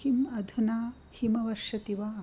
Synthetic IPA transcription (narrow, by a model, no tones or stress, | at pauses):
imɐd̪ʱunaː | himɐʋɐʃjɐt̪iʋaː